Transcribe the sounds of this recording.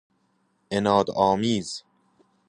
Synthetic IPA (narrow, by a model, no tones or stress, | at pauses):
ʔenɒːd̪ɒːmiːz̥